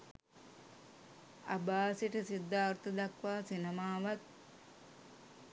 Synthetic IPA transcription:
a̰baːsiʈəsid̪ːaːɾt̪əd̪akʋaːsinemaːʋat̪̚

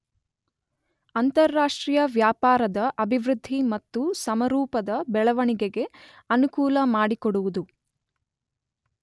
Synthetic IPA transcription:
ɐnt̪ɐɾːaːʂʈɾiːjɐʋjaːpaːɾɐd̪ɐʔɐbʱiʋɾud̪ʱːimɐt̪ːusɐmɐɾuːpɐd̪ɐbɛɭɐʋɐɳiɡeɡe̞ | ɐnukuːlɐmaːɽikoɽuʋud̪u

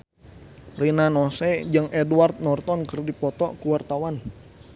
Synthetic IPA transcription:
rinanɔsɛd͡ʒɨŋʔɛduart̪̚nɔrt̪ɔnkərdipɔt̪ɔkuwart̪awan

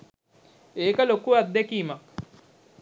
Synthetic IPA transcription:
eːkɐlokːuad̪ːekiːma

